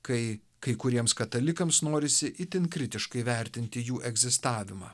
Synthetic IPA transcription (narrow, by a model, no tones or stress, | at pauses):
kɐɪ | kɐɪkʊɾʲiɛmskɐt̪ɐlʲɪkɐmsnoːɾʲɪsʲɪʔɪt̪ʲɪnkɾʲɪt̪ʲɪʃkɐɪʋʲɛˑɾʲt̪ʲɪnʲt̪ʲɪjuːʔɛɡzʲɪst̪ɑːʋʲɪmɑ̰ː